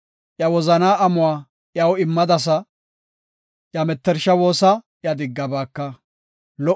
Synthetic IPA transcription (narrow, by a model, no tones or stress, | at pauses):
ʔjɐwɔzɐnaːʔɐmʊwaː | ʔjɐwɪmːɐd̪ɐs̬ɐ | ʔjɐmɛt̪ːɛɾʃɐwo̞ːsɐ | jɐd̪ɪɡːɐbaːkːɐ | lɔ